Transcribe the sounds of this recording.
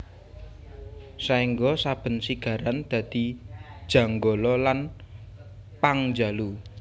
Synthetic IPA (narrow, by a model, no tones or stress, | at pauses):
saiŋɡɔsab̥ə̤nsiɡ̥ä̤ɾand̪̥ä̤d̪̥i̤d̥ʒ̥ä̤ŋɡolɔlan | paŋd͡ʒa̤lu